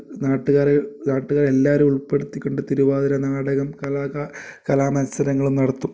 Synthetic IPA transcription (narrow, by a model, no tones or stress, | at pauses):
naːʈːuɣaːɾnaːʈːuɣaːɾe̞lːaːɐɾumuɭpːe̞ɽut̪ːikʲːoɳɖɨt̪iɾuʋaːðɐɾɐnaːɽɐɣɐmkɐlaːakɐlaːmɐnɐsɐɾɐŋːɐɭumnɐɽɐt̪ːum